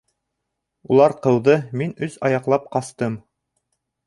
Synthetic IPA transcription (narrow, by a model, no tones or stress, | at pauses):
ulˠɑɾqɤ̆wðɤminɵzɑjɑqlˠɑp̚qɑst̪ɤm